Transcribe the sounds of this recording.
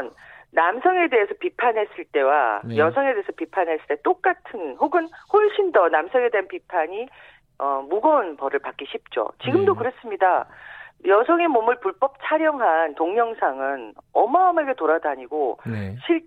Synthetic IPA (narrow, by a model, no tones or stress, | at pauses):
nnamsʰʌŋe̞de̞ɦesʰʌpipʰanɦe̞s͈ɯɭt͈e̞wa̰jʌsʰʌŋe̞de̞esʰʌpipʰanɦe̞s͈ɯ̥ɭt͈et͈ok͈atʰɯnhoɡɯnhoɭɕʰindʌnamsʰʌŋe̞deɦanpipʰaɲi | ʌmuɡʌunpʌɾɯɭpak͈iɕʰip̚t͡ɕ͈o̰t͡ɕiɡɯmdokɯɾes͈ɯmɲida | jʌsʰʌŋe̞momɯɭpuɭp͈ʌp̚t͡ɕʰaɾjʌŋɦantoŋɲʌŋsʰaŋɯnʌmaʌme̞ɡe̞toɾadaɲiɡoɕʰiɭ